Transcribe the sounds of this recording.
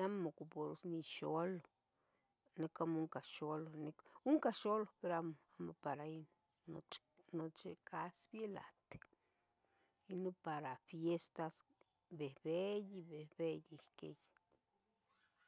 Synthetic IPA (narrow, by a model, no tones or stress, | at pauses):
amokupoɾusniʃolo | nekamuŋkaʃolonekuŋkaʃolopeɾamoamopaɾain | no̰t͡ʃ | not͡ʃekasbjela̰t̪e̥ | inopaɾafjest̪as | behbejibehbejihkḛj